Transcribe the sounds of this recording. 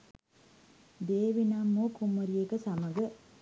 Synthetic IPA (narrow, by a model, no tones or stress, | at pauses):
d̪eːʋinamːukumoɾiekəsaməɡə